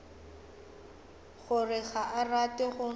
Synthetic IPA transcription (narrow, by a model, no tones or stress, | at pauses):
ɣʊrɪɣaʔaratʼɪɣʊ